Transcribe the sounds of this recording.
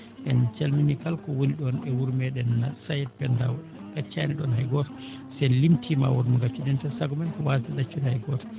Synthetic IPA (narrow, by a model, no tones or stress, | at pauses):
ʔɛnt͡ʃalminikalkɔwoniɗɔnɛwuɾmɛɗɛnsajɛt̚pɛndaw | ɡ̥at͡ʃːaniɗɔnhajɡɔɾ | sɛnlimtʰima̰wɔɾmɔɡat͡ʃːuɗɛntɛsaɡmɛntɔwatiɗat͡ʃːudhajɡɔt